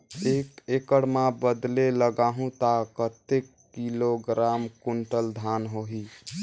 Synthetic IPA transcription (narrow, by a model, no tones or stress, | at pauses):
ekekəɽmabəd̪leləɡaɦũt̪akət̪ekːiloɡɾamkuɳʈəld̪ʱanɦoɦi